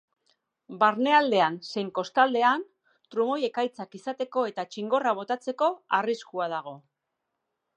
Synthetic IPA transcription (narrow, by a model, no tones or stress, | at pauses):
baɾne̞ald̪e̞anse̞jŋko̞st̪ald̪e̞an | t̪ɾumo̞je̞kajt͡sakisat̪e̞ko̞e̞t̪at͡ʃiŋɡo̞raβ̞o̞t̪at͡se̞ko̞ariskuað̞aɣ̞o̞